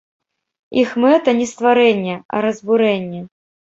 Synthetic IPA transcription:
ixmɛt̪ɐnʲɛst̪vaɾɛnʲːɛɐ̰ɾɐzbuɾɛnʲːɛ

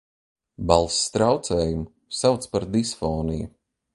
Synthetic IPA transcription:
balˠsːt̪ɾawt̪sɛːjum | sawt̪spaɾd̪isfɔːnḭju

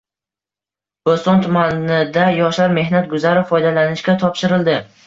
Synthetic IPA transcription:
b̥ost̪ɒnt̪ʰʊmanɪd̪ajɒʃlaɾme̞hnat̪̚ɡʊzaɾɪfɒjd̪alanɪʃkʲat̪ʰɒpʃɪɾɪld̪ɪ

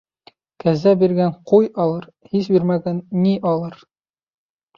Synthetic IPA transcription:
kæzæbiɾɡæɴqujɑlˠɤɾ | his̬biɾmæɡænːiʔɑlˠɤɾ

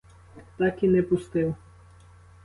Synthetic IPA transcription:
t̪akinɛpust̪ew

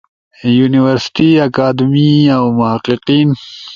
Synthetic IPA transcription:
juniwəɾsʈiakaːd̪miawmʊhaqiqiːn

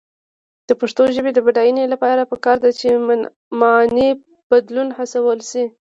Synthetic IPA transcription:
d̪̥əpaʂt̪oʒəbed̪əbaɖajunelapɑɾapəkɑɾd̪at͡ʃe | mani | b̥ad̪lunhasawəlsi

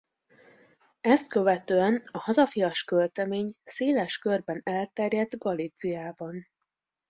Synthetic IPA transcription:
ɛst̪̚kø̞vɛt̪øːɛnɒhɒzɒfijɒʃkølt̪ɛmeːɲseːlɛʃkørbɛnɛlt̪ɛrjɛd̪ɡɒlit̪sijaːbɒn

